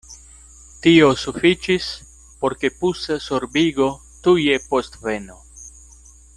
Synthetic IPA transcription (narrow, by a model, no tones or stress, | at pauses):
tio̞sufit͡ʃis | po̞ɾke̞pussoɾbiɡo̞ | tuje̞po̞st̪ve̞no